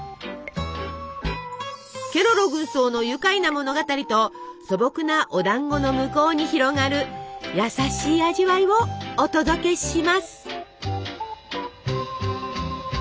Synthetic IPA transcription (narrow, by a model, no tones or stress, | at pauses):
kʲe̞ɾoɾo̞ɡɯ̟so̞ːno̞jɯ̟kainamo̞no̞ɡat̪aɾʲit̪o̞so̞bo̞kɯ̟naʔod̪ãŋɡo̞no̞mɯ̟ko̞ːɲ̟içiɾo̞ɡaɾɯ̟jasaɕiːaʑiβaiβo̞ːt̪o̞d̪o̞ke̞ɕimasɨ̥